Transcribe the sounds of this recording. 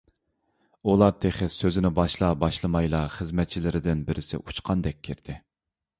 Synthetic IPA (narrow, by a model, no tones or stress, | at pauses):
ulˠɑɾt̪ʰeχɪzsøzɪnɪbɑʃlˠɑbɑʃlˠɨmɑjlˠɑχəzmɛt̪̚t͡ʃʰilɪɾɪd̪ɪnbɪɾʔɪsɪ̰ʔut͡ʃqʰɑnd̪ɛk̚ʲʰːiɾd̪̥ɪ